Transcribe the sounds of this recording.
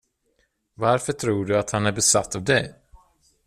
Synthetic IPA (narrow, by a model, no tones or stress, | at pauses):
vaɾfœʈʰɾuːɖɵat̪hanæɾbɛsat̪ːavd̪ɛj